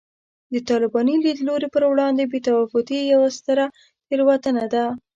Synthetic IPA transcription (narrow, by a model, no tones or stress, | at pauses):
d̪ət̪ɑlɪbɑnilid̪loɾepəɾwɽɑnd̪ebet̪awafʊt̪ijawast̪əɾa | heɾwat̪ənad̪a